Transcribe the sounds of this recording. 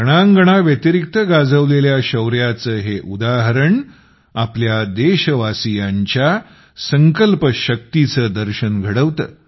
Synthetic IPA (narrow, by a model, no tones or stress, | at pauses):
ɡəɽ̃aŋɡəɽ̃aʋjət̪iɾik̚t̪əɡad͡zəʋleljaɕəwɾjat͡səːɦeʔud̪aɦəɾəɳ | apljad̪eɕəʋasijãɲt͡ɕja | səŋkəlpəɕək̚t̪it͡səːd̪əɾɕənɡʱəɽəʋt̪ə̰ː